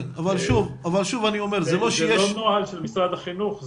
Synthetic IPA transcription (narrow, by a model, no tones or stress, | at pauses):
navalʃuvavalʃuvaniomeʁzeloʃjeʃonoʕalʃelmisɾad̪aχinuχ